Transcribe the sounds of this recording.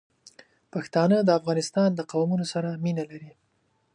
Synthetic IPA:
paxt̪ɑnəd̪əafɣɑnɪst̪ɑnd̪əqawmunosaɾaminalaɾi

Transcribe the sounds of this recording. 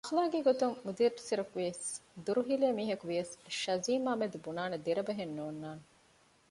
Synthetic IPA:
ɐxlaːɡeɡot̪uŋmud̪iɾsiɾɐkuʋiɐsd̪uɾuɦileːmiːɦɐkuʋiɐsʃɐziːmaːmed̪ubunaːned̪eɾɐbɐɦenːuːnːaːne

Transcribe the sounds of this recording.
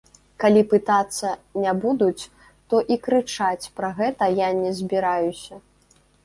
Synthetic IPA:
kalʲipɨt̪at̪sːɐnʲabud̪ut͡sʲ | t̪ɔʔikɾɨt͡ʂat͡sʲpɾɐɣɛt̪ɐjanʲɛzʲbʲiɾajusʲɐ

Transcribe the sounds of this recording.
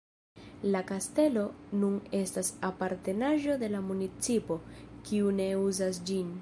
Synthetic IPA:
lakaste̞lo̞nune̞stasapaɾte̞naʒo̞de̞lamunit͡sipo̞kiune̞uzasd͡ʒin

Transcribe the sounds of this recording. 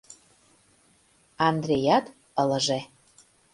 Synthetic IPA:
ɑnd̪rʲejɑt̪ | ələ̆ʒe

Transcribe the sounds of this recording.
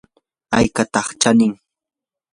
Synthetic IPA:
ajkat̪ɑχt͡ʃanɪŋ

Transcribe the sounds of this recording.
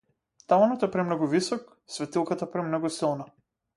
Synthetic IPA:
t̪avanɔt̪ɛpɾɛmnɔɡuvisɔk | svɛt̪ilˠkat̪apɾɛmnɔɡusilˠna

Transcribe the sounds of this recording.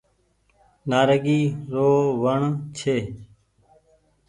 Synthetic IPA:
naːɾəɡiːɾoːʋəɳt͡ʃʰeː

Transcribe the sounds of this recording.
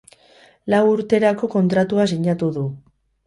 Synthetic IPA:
lawuɾt̪e̞ɾako̞ko̞nt̪ɾat̪uasiɲat̪uðu

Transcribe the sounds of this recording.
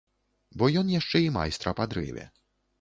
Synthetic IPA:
bɔjɔnjaʂt͡ʂɛima̰jst̪ɾɐpad̪ɾɪ̰vʲɛ̰

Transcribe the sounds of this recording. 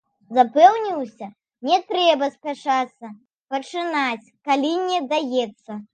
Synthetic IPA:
zapɛwnʲiwsʲɐ | nʲɛt̪ɾɛbɐspʲaʂat̪sːɐ | pɐt͡ʂɨnat͡sʲkalʲinʲɛd̪ajɛt̪sːɐ

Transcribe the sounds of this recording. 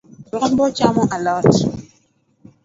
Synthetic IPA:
ɔɣm̩bɔt͡ʃamɔʔalɔti

